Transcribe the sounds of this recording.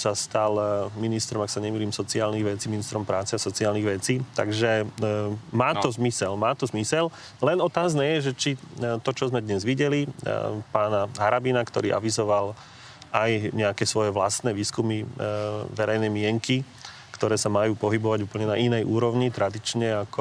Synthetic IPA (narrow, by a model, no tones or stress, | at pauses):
sast̪alminist̪ɾɔmaksaɲɛmiːliːmsɔt͡siaːlniɣʋɛt͡siːminist̪ɾɔmpɾaːt͡sɛasɔt͡siaːlniɣʋɛt͡siːt̪a̰ɡʒɛ | maːt̪ɔzmisɛlmaːt̪ɔzmisɛl | lɛnɔt̪aːznɛjɛʒɛt͡ʃit̪ɔt͡ʃɔzmɛd̪ɲɛzʋiɟɛlipaːnaɦaɾabinakt̪ɔɾiːʔa̰ʋizɔʋal | ʔajɲɛakɛːsʋɔjɛʋlast̪nɛːʋiːskumi | ʋɛɾɛjnɛmɪɛŋki | kt̪ɔɾɛːsamajuːpɔɦibɔʋaɟuːpl̩ɲɛnaʔinɛjʔuːɾɔʋɲit̪ɾʔad̪it͡ʃɲɛakɔ